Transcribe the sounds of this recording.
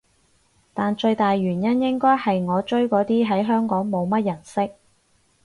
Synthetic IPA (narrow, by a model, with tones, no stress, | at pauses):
t̪aː˨nt͡ʃɵ˧ɥt̪aː˨jɥyː˨˩njɐ˥njɪ˥ŋkɔː˥jhɐ˨jŋɔː˨˧t͡ʃɵ˥ɥkɔː˨˧˥t̪iː˥ɦɐ˨˥jɦœː˥ŋkɔː˨˥ŋmo˨˧wmɐ˥t̚jɐ˨˩nsɪ˥k̚